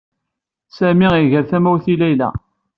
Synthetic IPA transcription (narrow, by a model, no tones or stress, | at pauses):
sæmiiʝəɾθæmæwθilæjlæ̰